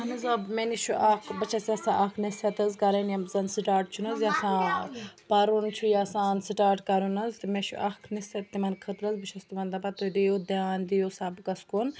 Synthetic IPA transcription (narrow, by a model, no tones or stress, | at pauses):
ɐnɐzɐmeniʃuʔakʰbɐt͡ʃʰɐsjɐsaʔɐkʰnesʰɐt̪ɐzkɐɾɐnjɐzɐnsiʈaːɾʈ̚t͡ʃʰunɐzjasãːpɐɾunt͡ʃʰujaːsaːnsiʈaːɾʈkɐɾunɐzt̪imeʃṵʔɐkʰnist̪ɐt̪imɐnkʰət̪ɾɐzbɨt͡ʃʰɐst̪imɐnd̪ɐpɐt̪od̪ijod̪eaːnd̪ijosabkɐskun